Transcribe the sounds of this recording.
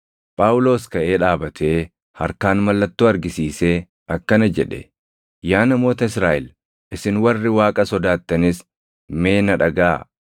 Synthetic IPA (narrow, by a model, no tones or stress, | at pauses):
pʼaːwʊlo̞ːskɐʔe̞ːᶑaːbɐt̪ʰeː | hɐɾkaːnmɐlːɐt̪ːuːɐɾɡɪsiːse̞ː | ɐkːɐnɐd͡ʒɛᶑɛ̰ | jaːnɐmo̞ːt̪ɐɪsɾaːʔɪl | ʔɪsɪnwɐrːɪwaːkʼɐsɔd̪aːt̪ːɐnɪs | me̞ːnɐᶑɐɡaː